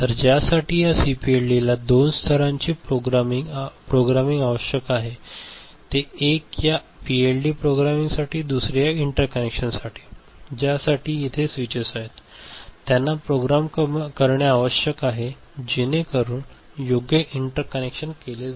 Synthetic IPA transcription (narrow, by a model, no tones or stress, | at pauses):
t̪əɾd͡ʑjasaʈiːjasipielɖilad̪onst̪ʰəɾãɲt͡ɕiːpɾoɡɾmiŋpɾoɡɾamiŋɡaʋəɕjəkaɦe | t̪eekja | pielɖiːpɾoɡɾamiŋɡsaʈiːd̪usɾjaiɳʈəɾkənekʂənsaʈʰiː | d͡ʑjasaʈiːit̪ʰesʋit͡ɕəsaɦet̪ːjanːapɾoɡɾamkəɾɳjaːʋəɕjəkaɦe | d͡ʑinekəɾuːn | joɡjəʔiɳʈəɾkənekʂənkele